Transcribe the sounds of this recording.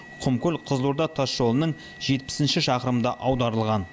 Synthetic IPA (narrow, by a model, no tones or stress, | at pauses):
qʰʊmkʲʊlqʰəzlˠuɾd̪ɑt̪ʰɑsʒo̞lˠənəɴ | ʒ̥e̞t̪̚pɪ̥sɪnʃɪʃɑqəɾəmd̪ɑʔɑwd̪ɑɾəlˠʁɑn